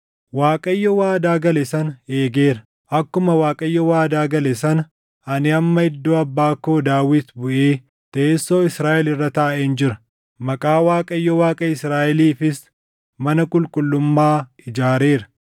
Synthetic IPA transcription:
waːkʼɐjːɔwaːd̪aːɡɐlɛsɐneːɡeːɾɐ | ʔɐkːʊmɐwaːkʼɐjːɔwaːd̪aːɡɐlɛsɐn | ɐnɪɐmːɐɪd̪ːoːɐbːaːkoːd̪aːwɪt̪bʊʔeː | t̪ɐesːo̞ːɪsɾaːʔɛlɪrːɐt̪aːʔeːnd͡ʒɪɾɐ̥ | mɐkʼaːwaːkʼɐjːɔwaːkʼɐɪsɾaːʔɛliːfɪs | mɐnɐkʼʊlkʼʊlːʊmːaː | ɪd͡ʒaːɾeːɾɐ

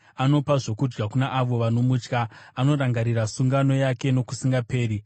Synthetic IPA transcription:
ano̞paʐo̞kud͡ʒɡakunaʔaʋo̞ʋano̞mut͡ʃkaːno̞ɾaŋɡaɾirasuŋɡano̞jake̞no̞ku̥siŋɡape̞ːɾi

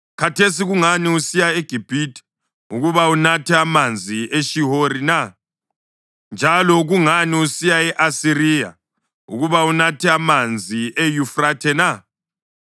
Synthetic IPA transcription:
kʰatʰesiɣuŋaniusijaeɡ̥ʱib̥ʱiti̥ | ṵɣuβaunatʰɛamand͡zʱiʔeʃiɦoɾina | nd͡ʒʱalɔɣuŋaniusijaɛʔasiɾija̰ | ṵɣuβaunatʰɛamand͡zʱiʔejufratʰɛna

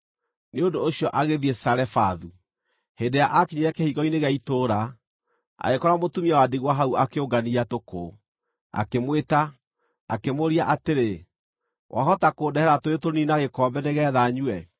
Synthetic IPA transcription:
neondoːɕiɔʔaɣeðiesaɾɛfaðu | hendejaʔakiɲeɾɛkɛhiɣɔineɣaitoɾa | a̰ɣekɔɾamotumiawadiɣwaɦauakeoɡaniatoko | a̰kemweta | akemoɾiaʔateɾe | wʔa̰ɦɔtakoːdɛhɛɾatoetoɾninaɣekɔːmbɛneɣɛːðaɲuɛ

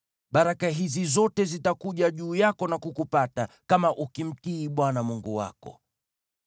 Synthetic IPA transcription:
ɓaɾakaɦizizɔtɛzitakuʄaʄuːjakɔnakukupata | kamaʔukim̩tiːɓwanamuŋɡuwa̰kɔ̰

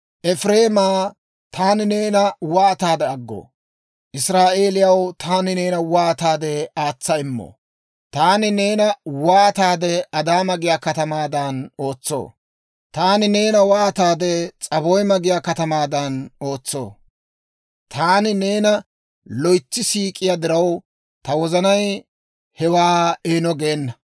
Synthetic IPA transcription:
ʔɛfɾe̞ːmaː | t̪ʰaːnɪne̞ːnɐwaːt̪aːd̪ɛɐɡːo̰ː | ʔɪsɾaːʔe̞ːlɪjɐwt̪ʰaːnɪneːnɐwaːt̪aːd̪ɛaːt͡sːɐɪmːo̰ | t̪aːnɪne̞ːnɐwaːt̪aːd̪ɛʔɐd̪aːmɐɡɪjaːkɐt̪ɐmaːd̪ɐno̞ːt͡sːo̰ː | t̪aːnɪne̞ːnɐwaːt̪aːd̪ɛt͡sʼɐbɔjmɐɡɪjaːkɐt̪ɐmaːd̪ɐno̞ːt͡sːo̰ː | t̪ʰaːnɪne̞ːnɐ | lɔjt͡sːɪsiːkʼɪjad̪ɪɾɐw | t̪ɐwɔzɐnɐj | hɛwaːeːnɔɡeːnːɐ

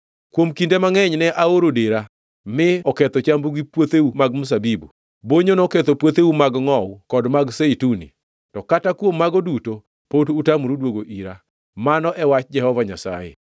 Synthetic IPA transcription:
kwomkindemaŋɛɲnɛʔaoɾodeɾa | mɪɔkɛt̪ɔt͡ʃambuɡipwot̪eumaɡmus̬abibu | boɲonoket̪opwot̪eumaɡŋɔwukɔdmaɡseitunḭ | tɔkatakwomːaɡoduto | potutamɾudwoɡoʔiɾa | manɔʔɛwat͡ʃd͡ʒɛhɔvaɲasa̰jḛ

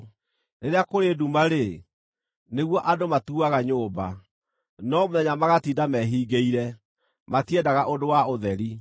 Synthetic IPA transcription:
neɾeakoɾedumaɾe | neɣwɔʔadomatuaɣaɲoːba | nɔmoðɛɲamaɣatiːdamɛɦiːɡeiɾɛ | matiɛdaɣaʔodowaoðɛɾi

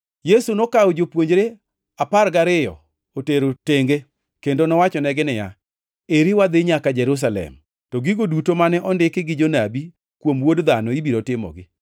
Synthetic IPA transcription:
jesunokawod͡ʒopwoɲd͡ʒɾe | apaɾɡaɾɪjɔ̰ | oteɾoteŋɡe | kendonɔwat͡ʃɔnɛɡɪnɪja | eɾiwad̪ɪɲakad͡ʒɛɾus̬alɛ̰m | tɔɡiɡodutomanɛʔɔndɪkɪɡɪd͡ʒonabi | kwomwodd̪anɔibiɾotɪmɔ̰ɡɪ

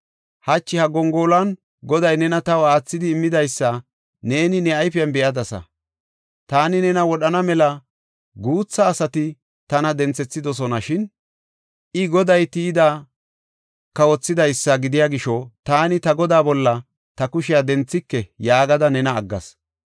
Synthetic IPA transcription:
hɐt͡ʃːɪhɐɡɔŋɡoːlɐn | ɡɔd̪ɐjnɛnɐt̪ɐwaːt͡sːɪd̪ɪːmːɪd̪ɐjsːɐ | ne̞ːnɪnɛɐjfɪjɐnbɛʔɐd̪ɐsɐ̰ | t̪aːnɪnɛnɐwɔɗɐnɐmɛlɐ | ɡuːt͡sːɐːsɐt̪ɪ | t̪ɐnɐd̪ɛnt͡sːɛt͡sːɪd̪ɔs̬ɔnɐʃɪn | ʔɪɡɔd̪ɐjt̪iːd̪a | kɐwɔt͡sːɪd̪ɐjsːɐɡɪd̪ɪjaːɡɪʃɔt̪aːnɪt̪ɐɡɔd̪aːbɔlːɐ | t̪ɐkʊʃɪjad̪ɛnt͡sːɪkːɛjaːɡɐd̪ɐnɛnɐːɡːɐ̰s

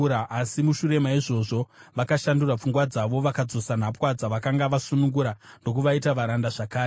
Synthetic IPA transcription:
aʔasimuʃuɾe̞maiʐo̞ʐo̞ʋakaʃandurap͡fuŋɡwad͡zaʋo̞ʋakad͡zo̞sanapwad͡zaʋakaŋɡaʋasunuŋɡuɾando̞k̬uʋaitaʋaɾandaʐakaːre

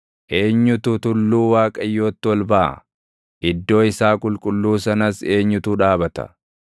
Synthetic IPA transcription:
ʔe̞ːɲːʊt̪ʊt̪ʊlːuːwaːkʼɐjːo̞ːt̪ːɪwɔlbɐʔɐ̰ | ʔɪd̪ːo̞ːɪsaːkʼʊlkʼʊlːuːsɐnɐse̞ːɲːʊt̪uːᶑaːbɐt̪ɐ̰

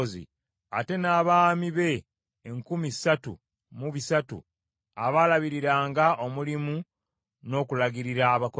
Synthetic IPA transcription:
zḭ | ate̞naːβaːmiβe̞ː | ŋkumisatṵ | muβisatṵ | a̰βalaβiɾiɾaːŋɡaʔo̞mulimu | no̞ːkulaɡiɾiɾaːβako

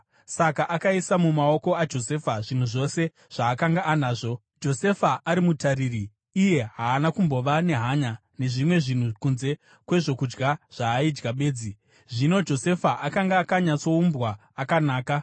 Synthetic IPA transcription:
sakaʔakaisamumao̞ko̞ad͡ʒo̞se̞ːfaʐin̤uʐo̞se̞ | ʐ̥aːkaŋɡaʔːnaːʐo̞ | d͡ʒo̞se̞faʔaɾimutaɾiriː | je̞ɦaːnakumbo̞ʋane̞ɦaɲa | ne̞ʐimwe̞ʐin̤ukunze̞ | kwe̞ʐo̞kud͡ʒɡaʐ̥aːid͡ʒɡaɓe̞ːd͡zi | ʐino̞d͡ʒo̞se̞faʔakaŋɡaːkaɲat͡so̞umbwaː | kanaːka

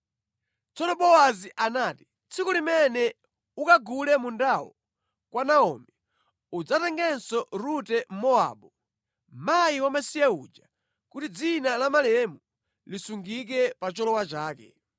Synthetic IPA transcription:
t͡sɔnɔɓɔwaziʔanaːti | t͡sʰikɔlimɛnɛ | ukaɡulɛmundawɔ̰ | kwanaɔ̰ːmɛ | ud͡zatɛŋɡɛnsɔɾutɛm̩mɔa̰ɓɔ | majiwamasijɛud͡ʒa | kutid͡zinalamalɛmu | lisuŋɡik̬ɛpat͡ʃɔlɔwat͡ʃaːkɛ̰

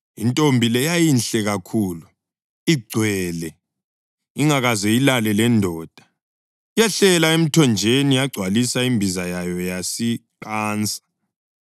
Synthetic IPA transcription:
intʼombʱilɛjajinɬɛɣakʰuːlu | iɡ͡ǀʱwɛːlɛ | iŋaɣazɛilalɛlɛndʱɔːd̥ʱa | ijaɬɛlaem̩tʰɔnd͡ʒʱenijaɡ͡ǀʱwalisaimbʱizajajɔjasiǃʼaːnt͡sʼḁ

